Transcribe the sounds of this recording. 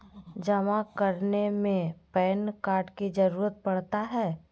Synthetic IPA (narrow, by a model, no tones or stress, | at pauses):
d͡ʒɐmakəɾnemẽpɛːnkaːɾɖkid͡ʒɐɾuːɾət̪̚pɐɽt̪aɦɛː